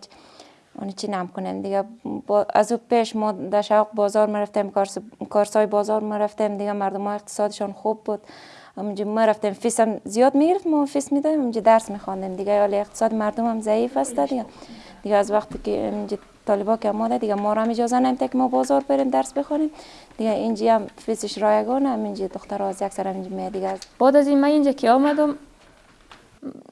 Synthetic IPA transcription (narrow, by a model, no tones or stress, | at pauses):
ɔ̰nit͡ʃʰinamkʊnemd̪ɪɡaba̰zupeʃmɔd̪aʃawqbɔːzɔɾmiɾaft̪amkɔɾskɔɾsɔːjbɔːzɔɾmaɾaft̪emd̪ɪɡamaɾd̪ʊmɔeq̚t̪ɪ̥sɔd̪ɪʃɔnxubːud̪ | amud͡ʒimeɾaft̪emfisamzijɔd̪miɡɪɾɪft̪mɔfismid̪ɔd̪emamd͡ʒid̪aɾsmixɔnd̪emd̪ɪɡaɔleeq̚t̪ɪ̥sɔːd̪ɪmaɾd̪ʊmamzaifast̪ad̪ɪɡa | d̪̥ɪɡaːzwaqt̪ɪkɪa̰mind͡ʒi | t̪ʰɔlɪbɔkiamɔd̪ad̪ɪɡamɔɾɔamɪd͡ʒɔzanamt̪ʰakimɔbɔzɔɾbeɾemd̪aɾsbɪxɔnem | d̪̥ɪɡaind͡ʒiamfisɪʃɾɔjaɡɔnaːmind͡ʒid̪ʊxt̪aɾɔazjaksaɾamind͡ʒimejad̪ɪɡazb̥ɔd̪azimaind͡ʒakʰiɔmad̪ʊm